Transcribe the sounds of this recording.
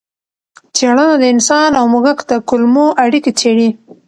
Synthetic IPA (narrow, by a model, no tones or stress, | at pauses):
t͡seɽənad̪əɪnsɑnawmʊɣəkd̪əkʊlmoʔaɽiket͡seɽi